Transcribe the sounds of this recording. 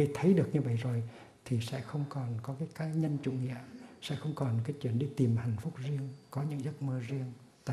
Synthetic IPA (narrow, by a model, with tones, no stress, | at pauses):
i˧t̪ʰə˨˦jɗɨ˨˩ək̚ɲɨ˧və̰˧˨jzo˨˩j | t̪ʰi˨˩sɛ̰˧˥xə˧wŋ͡mkɔ˨˩nkɔ˨˦kaː˨˦jkaː˨˦ɲə˧nt͡ɕṵ˧˩˨ŋḭ˧˨əsɛ̰˧˥xə˧wŋ͡mkɔ˨˩nkaː˨˦jt͡ɕwḭ˧˨ənɗi˧t̪i˨˩mha̰˨˩jŋ̟fʊ˦˥k͡p̚zi˧əŋkɔ˨˦ɲɨ̰˧˥ŋzə˦˥t̚mɨ˧zi˧əŋ | t̪a̰ː˧˨